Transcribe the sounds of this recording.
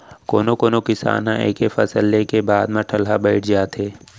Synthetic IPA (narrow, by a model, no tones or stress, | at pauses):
koːnokoːnokɪsa̰ːnɦã̰ʔeːkefɐsəlːekebaːd̪mãʈʰɐlɦabəɪʈʰd͡ʒaːt̪ɦeː